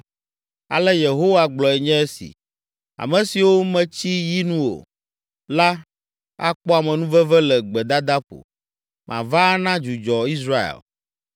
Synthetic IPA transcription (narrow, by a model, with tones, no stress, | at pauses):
a̰˨lɛ˦je˨ɦo˦wa˦ɡ͡blɔ˨ɛ˨ɲɛ̃˦ɛ˦sḭ˨ | a̰˨mɛ̃˨si˨wo˦mɛ̃˨t͡ɕi˦ji˦nũ˦o̰˨ | la˦ | a̰˦k͡pɔ˦a˨mɛ̃˨nũ˦vɛ˦vɛ˦lɛ˨ɡ͡bɛ˨d̪a˦d̪a˦ɸo̰˨ | mʔã̰˨va˦nã˦d͡ʒu˨d͡ʒɔ˨i˦s̬ɾa˦ḛ˨l